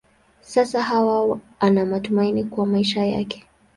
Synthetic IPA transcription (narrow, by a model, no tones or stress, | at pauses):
sasaɦawa | anamatumainikuwamaiʃaja̰kɛ̥